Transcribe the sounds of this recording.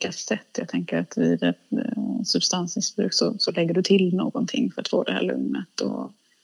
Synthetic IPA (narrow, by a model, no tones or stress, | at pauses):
kasɛt̪ːjaːɡ̚t̪ʰɛŋkəɾat̪vɪd̪ɛt̪sɵbst̪ansmɪsbɾʉ̟ːksɔsɔlɛɡːəɖɵt̪ʰɪlnoːɡɔnt̪ʰɪŋːfœɾat̪fo̰ːd̪ɛhæ̰ːɭɵ̰ŋnət̪ɔ̰